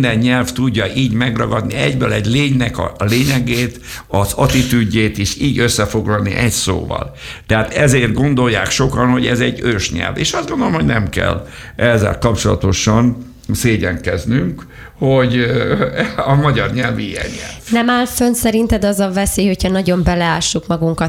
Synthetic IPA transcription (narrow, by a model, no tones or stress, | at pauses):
nd̪ɛɲːɛlft̪uɟːɒʔiːɟmɛɡrɒɡɒd̪niɛɟbøːlɛɟleːɲnɛkɒ̰leːɲɛɡeːt̪ | ɒzɒt̪it̪yɟːeːt̪eːʃiːɟø̞sːɛfo̞ɡlɒlnḭʔɛcso̰ːvɒ̰l | t̪ɛaːt̪ɛzeːrt̪̚ɡo̞nd̪o̞jːaːkʃo̞kɒnho̞ɟɛzɛɟːøːʃɲɛ̰lvḛːʃɒzd̪ɡond̪olomhonɛmkɛ̰l | ʔɛzːɛ̰lkɒpt͡ʃo̞lɒ̰t̪o̞ʃɒn | seːɟɛŋkɛznyŋk | hoɟ | ɒmɒɟɒrɲɛlviijɛ̰ɲːɛ̰lnɛmaːlfønsɛɾint̪ɛd̪ɒzɒvɛsejho̞chɒnɒɟo̞mbɛlɛaːʃːukmɒɡuŋkɒ